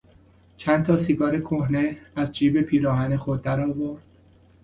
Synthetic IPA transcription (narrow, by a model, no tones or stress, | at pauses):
t͡ʃʰænt̪ʰɒːsiːɡɒːɾekʰohneæzd͡ʒiːbepʰiːɾɒːɦænexod̪̚ːæɾɒːvoɾd̪̥̚